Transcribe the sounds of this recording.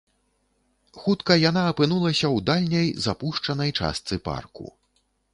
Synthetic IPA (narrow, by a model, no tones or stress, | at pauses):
xut̪kɐjanaːpɨnulˠɐsʲɐwd̪alʲnʲɐjzapuʂt͡ʂɐnɐjt͡ʂa̰st̪sɨpa̰rkṵ